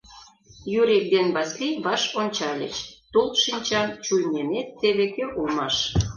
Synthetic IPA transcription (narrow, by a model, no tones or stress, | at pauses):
jyɾek̚d̪enβɑskiβɑʃonʲt͡ɕɑlʲḛt͡ɕt̪ulʃinʲt͡ɕɑmt͡ɕujnʲemet̪ːeβekøʔulmɑʃ